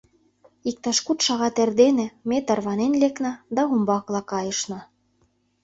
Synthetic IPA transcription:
ik̚t̪ɑʃkut̪ʃɑɣɑt̪erd̪enĕmet̪ɤ̆rβɑnenleknɑd̪ɑumbɑklˠɑkɑjɤə̆ʃnɤ

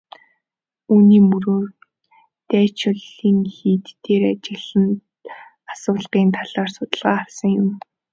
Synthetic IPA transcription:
uːniːmɵɾoːr | t̪æːt͡ɕʊɮiːŋxiːt̪ːeːrat͡ɕɪ̆ɮə̆n | ḁsʊːɮpiːnt̪ʰaɮaːrsʊt̪ə̆ɮʁaːχawsə̆ŋjʊm

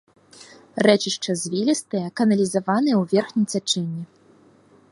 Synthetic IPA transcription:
rɛt͡ʃiʂt͡ʂɐzʲvʲilʲist̪ɨjɐkɐnɐlʲizavanɨjɛwvʲɛrxnʲijt͡sʲat͡ʂɛnʲːi

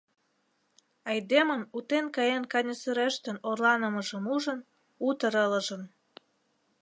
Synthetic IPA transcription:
ɑjd̪eməmut̪enkɑjenkɑnʲəsyɾeʃt̪ə̆norlɑnə̆məʒə̆muʒən | ut̪əɾələʒə̆n

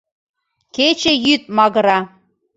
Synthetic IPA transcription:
ket͡ɕejyt̪̚mɑɣɤ̆ɾɑ

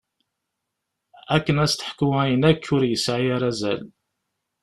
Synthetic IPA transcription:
ækːənæst̪ə̥ħkəwajənækːʊɾjəsʕajaɾæzæ̰l

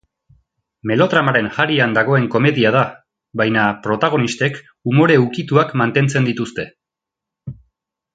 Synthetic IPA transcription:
me̞lo̞t̪ɾamaɾe̞nxaɾiand̪aɣ̞o̞e̞ŋko̞me̞ðiað̞a | bajnapɾo̞t̪aɣ̞o̞nist̪e̞k | umo̞ɾe̞ukit̪uakmant̪e̞nt͡se̞nd̪it̪ust̪e̞

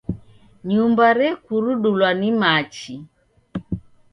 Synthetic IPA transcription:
ɲumbaɾɛkuɾuɗulwanimat͡ʃi

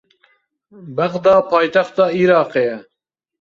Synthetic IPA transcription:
bæɣd̪ɑːpʰɑːjt̪ɛxt̪ɑːiːɾɑːqejɛ

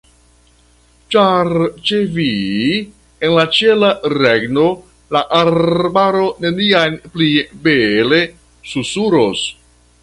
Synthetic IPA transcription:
t͡ʃaɾt͡ʃevi | enlat͡ʃe̞laɾeɡno | laʔaɾbaɾo̞ne̞niajnplibele̞ | susuɾos

